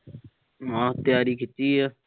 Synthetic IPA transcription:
ãːt̪ɪjaːɾiːkʰɪt͡ʃːiːaː

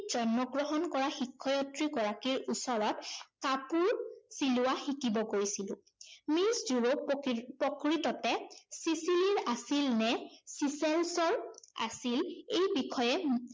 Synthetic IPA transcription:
z̥ɔnmɔɡɹɔɦɔnkɔɹaxikʰːɔjɔtɹiɡɔɹakiɹusɔɹɔt̚kapuɹsilʊwaxikibɔɡojsilʊ̰̃ | miszuɹopɔkɹitɔtɛsisiliɹasilnɛsisɛlsɔɹa̰silejbikʰɔjɛ

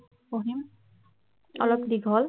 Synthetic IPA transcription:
oɦim | ɔ̰lɔkdiɡʱɔl

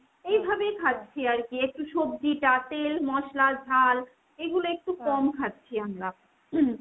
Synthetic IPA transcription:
ejbʱabekʰat̪ːɕʰiaɾkiek̚ʈuʃobdiʈat̪elmɔʃlad͡ʑʱal | eɡuloek̚ʈukɔmkʰat̪ːɕʰiamɾa

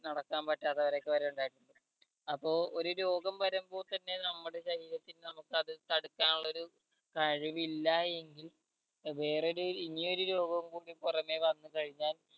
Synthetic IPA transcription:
nɐɽɐkːaːnpɐʈːaːt̪ːɐʋɐɾo̞ːkːeʋɐɾɐjuɳɖaːjiʈːuɳɖɐ | ɐpːo̞ːo̞ɾuɾo̞ːɡɐmpɐɾɐmbo̞ːrt̪ɐnːe̞nɐmːuɽe̞ɕɐɦiːɾɐt̪ːilnɐmukːɨɐðɨt̪ɐɽukːaːnuɭːɐo̞ɾu | kɐɻuʋilːɐe̞ŋɡil | ʋe̞ːreoɾuinio̞ɾuɾo̞ːɡɐmkuːɽipurɐme̞ʋɐnːukɐɻiɲːaːl

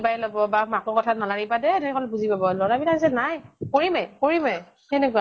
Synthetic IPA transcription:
bajlɔbɔbamakɔkɔtʰanalaɹibadɛdeikɔlɛbuzipabɔlɔɹabilais̬ɛnajkoɹimajkoɹimaj | ɛnɛkwa

